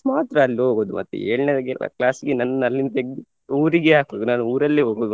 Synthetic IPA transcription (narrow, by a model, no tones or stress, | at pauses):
maːt̪ɾɐːlːiɦoːɡoːd̪umʔɐ̰t̪ːḛeːɭined̪ɐɡɛlɐ̰klaːsɡenɐnːɐɐlːind̪ɐeɡ | uːɾiɡeaːkoɡnaːnuuːɾɐlːeɦoːɡoːd̪u